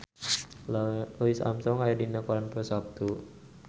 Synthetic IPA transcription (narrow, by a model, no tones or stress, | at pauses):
lɔisa̰msɔŋajadinakɔɾanpɔsap̚t̪u